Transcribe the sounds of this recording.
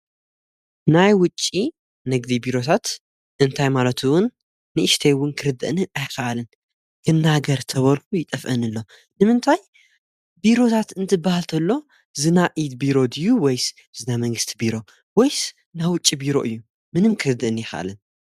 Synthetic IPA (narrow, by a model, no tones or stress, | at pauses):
najwʊt͡ʃʼːi | nɨɡd̪ibiɾo̞t̪ʰat̪ | ʔɨnt̪ʰajmalɐt̪ʰuwʊnː | ɨʔɨʃt̪ʰejwʊnkʰɨɾɨd̪ɨʔɨnɨajxɐʔalɨn | kʰɨnːaɡɐɾt̪ʰɐβɐlkujɪt̪ʼɐfʔɐnɨlːo̞ | nɨmɨnt̪ʰaj | biɾo̞t̪ʰat̪ɨnt̪ʰɨbːahalt̪ʰɐlːo̞ | zɨnaʔid̪biɾo̞d̪ɨjuwɔjs | z̥ɨnamɐŋɡɨst̪ʰibiɾo̞ | wɔjs | nawʊt͡ʃʼːibiɾo̞̰ʔɨjːu | mɨnɨmkʰɨɾɨd̪ɨʔɨnjɪxɐ̰ʔa̰lɨn